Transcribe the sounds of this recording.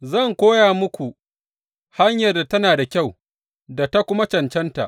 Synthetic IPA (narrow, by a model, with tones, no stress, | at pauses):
zɐ˦˨ŋkʷoː˦jaː˨mʊ˦kʷu˨ʔ | ha˦ɲjɐ˨rda˨tɐ˦naː˨da˨kʲa˦˨w | da˨ta˦kʷʊ˦ma˦t͡ʃɐ˨nt͡ʃɛ˦nta̰˨ʔ